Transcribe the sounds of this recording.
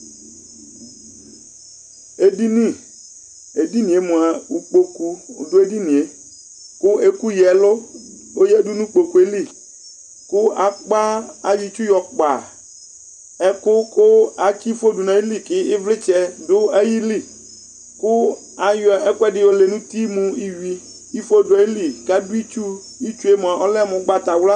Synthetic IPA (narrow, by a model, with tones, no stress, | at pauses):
e˨di˦nĩ˦˨ | e˨di˦nĩ˨e˨mʊ̃˨a˨u˨k͡po˨kṵ˨dʊ˦e˦di˦nĩ˨e˨ | kʊ˦e˦ku˦jɛ˨lʊ˦ | o˦jɛ˦du˦nũ˦k͡po˨ku˨e˦li˦˨ | kʊ˦a˨k͡pa˦a˨ji˨t͡ʃu˦jɔ˨k͡pa˨ | ɛ˦kʊ˦kʊ˦a˨t͡ʃi˦fo˦du˨nã˨i˦li˦˨kɪ˦ɪ˦vlɪ˦t͡ʃɛ˦dʊ˦a˦ji˦li˦˨ | kʊ˦ | a˨jɛ˦kʊ˦ɛ˦dɪ˨˦wo˦le˨nũ˦t̪i˦mũ˦i˦wi˦ | i˦fo˦dʊ˨ɛ˨i˦li˦ka˦dʊ˦i˦t͡ʃu˦ | i˦t͡ʃu˦e˦m˨a˨ʔɔ˦lɛ˦˨mʊ̃˨˦ɡ͡ba˦t̪a˨wla˦